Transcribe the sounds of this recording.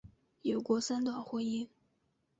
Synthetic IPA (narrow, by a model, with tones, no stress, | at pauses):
jo˨˩ʊkwɔ˧˥sa˥nt̪wa˨˩ʊxwe˧˥ɪi˥n